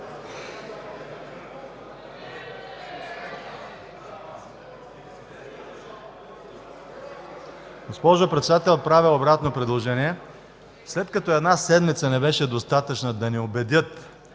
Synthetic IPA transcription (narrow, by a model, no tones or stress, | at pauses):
ɡospɔʒopɾɛt̪sɛd̪at̪ɛlʲot̪̚pɾavɛobɾat̪nopɾɛd̪lˠoʒɛniɛ | slɛt̪kɐt̪oɛd̪nasɛd̪mit̪sənɛbɛʃɛd̪ost̪at̪ət͡ʃnəd̪ɐnɛobɛd̪ʲət̪